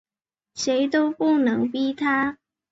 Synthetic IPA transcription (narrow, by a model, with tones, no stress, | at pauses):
ʂe˨˧˥ɪt̪o˥ʊpu˥˩nɤ˧˥ŋpi˥t̪ʰa˥